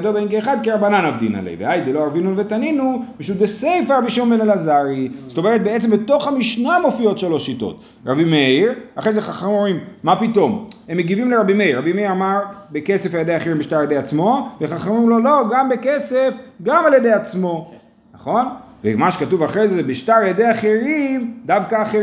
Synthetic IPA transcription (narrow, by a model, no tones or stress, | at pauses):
dobeinkeːχad̪̚kiɾabananavdḭna̰lḛjveajd̪eloavinuvet̪aninubeʃud̪esejfaʁabiʃiumbenalazaʁizt̪omeʁet̪̚beett͡sembet̪o̞χhamiʃnamo̞fio̞tʃelo̞ʃito̞̰t̪ | ʁabimeiʁaχʁejzeχaχamimomimːapito̞mhemːeɡivimleʁabimeiʁabimeiʁamaʁbeke̞sefaljed̪eaχeʁimbiʃt̪aʁajedejat͡smo̞veχaχamimlo̞lo̞ɡambekese̞fɡamaljed̪e̞jat͡smo̞ | naχo̞n | vḛmaʃekatuvaχʁejzebiʃtaʁaljed̪e̞jaχeʁimd̪avkaːχe